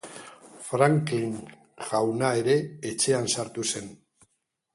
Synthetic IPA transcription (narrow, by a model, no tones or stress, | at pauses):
fɾaŋkiŋ | ɣawnae̞ɾe̞ːt͡ʃe̞ansaɾt̪use̞n